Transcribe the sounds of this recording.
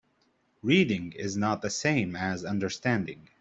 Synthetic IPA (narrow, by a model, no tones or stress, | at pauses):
ɹiɾɪ̃ŋɪ̰znət̪̚ðɨsẽɪ̃mɨzʌ̃ndə˞stæ̃ndɪ̰̃ŋ